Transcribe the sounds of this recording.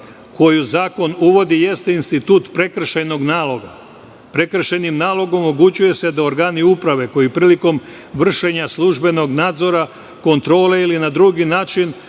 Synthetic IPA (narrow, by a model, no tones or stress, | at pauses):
ko̞juzaːko̞nuʋo̞d̪ije̞st̪einst̪it̪uːt̪pɾe̞kr̩ʃajno̞ɡnaːlˠo̞ɡa | pɾe̞kr̩ʃejnimnaːlˠo̞ɡo̞moɡut͡ɕuje̞se̞d̪aoɾɡaːniupɾaʋe̞ko̞jipɾiːliko̞m | ʋr̩ʃe̞ɲaslˠuʒbe̞no̞ɡnaːd̪zo̞ɾa | ko̞nt̪ɾo̞ːle̞ilinad̪ɾuɡinaːt͡ʃin